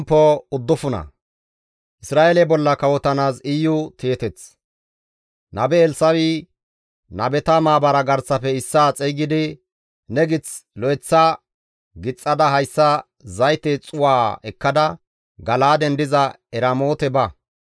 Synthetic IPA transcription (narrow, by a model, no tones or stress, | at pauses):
mpːɔʊd̪ːʊfʊnɐ̰ | ʔɪsɾaːʔelɛbɔlːɐkɐwɔt̪ɐnaːsɪjːʊt̪ʰeːt̪ɛt͡s | nɐbɛːlsɐwi | nɐbɛt̪ɐmaːbɐɾɐɡɐɾt͡sːɐfɛɪsːaːt͡sʼɛɡɪd̪ɪ | nɛɡɪt͡slɔɛt͡sːa | ɡɪt͡sʼːɐd̪ɐɦɐjsːɐ | zɐjt̪ɛt͡sʼʊwaːɛkːɐd̪ɐ | ɡɐlaːd̪ɛnd̪ɪzɐ | ɛɾamoːt̪ɛbɐ